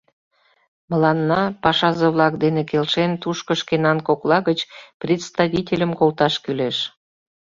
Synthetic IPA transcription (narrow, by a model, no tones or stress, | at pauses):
məlɑnːɑpɑʃɑzəβlɑk̚d̪enekelʃent̪uʃkəʃkenɑnkoklɑɣət͡ɕprʲet̪st̪ɑβitʲelʲəmkolt̪ɑʃkyleʃ